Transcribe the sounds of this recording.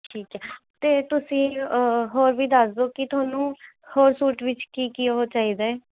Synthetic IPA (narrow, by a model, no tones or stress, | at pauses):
ʈʰiːkɛː | t̪eːt̪ʊsĩːɦoːɾʋiːd̪əsd̪oːkɪt̪ʰʊaːnũː | hoːɾsuːʈʋɪt͡ʃkiːkiaɦoːt͡ʃaːiːd̪aɛ